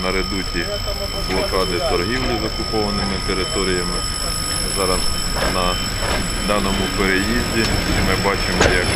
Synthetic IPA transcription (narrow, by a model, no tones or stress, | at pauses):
nɐɾed̪utʲi | blˠɔkɑd̪ɪt̪ɔrɦiwlʲˠizɔkʊpɔʋɐnɪmɪt̪eɾɪt̪ɔɾʲijɐmɪ | zɑɾɐs | nɐ | d̪ɑnɔmʊpeɾejizʲdʲiimɪbɑt͡ʃɪmɔjɐk